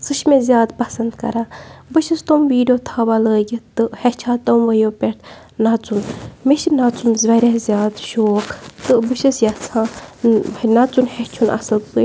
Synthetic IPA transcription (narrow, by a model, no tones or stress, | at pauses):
sɨʃʰmezʲjaːd̪pɐsɐnd̪kɐ̰ɾaːbɨʃɐst̪omʋiːɖijoːt̪ʰaːbaləːɡʲit̪ɨhɛt͡ʃʰaːt̪ɐmʋɐjoːpʲeɾt̪ʰ | nat͡sunmeʃinat͡sunzʋɐɾʲazʲjaːd̪ʃoːkʰt̪ɨbɨʃɐsjat͡sʰãː | nat͡sunhet͡ʃʰunʔɐ̰sɨlpɨ